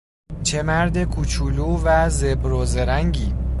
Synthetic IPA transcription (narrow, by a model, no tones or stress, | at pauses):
t͡ʃʰe̞mæɾd̪e̞kʰut͡ʃʰuːluːvæzebɾozeɾæŋɟiː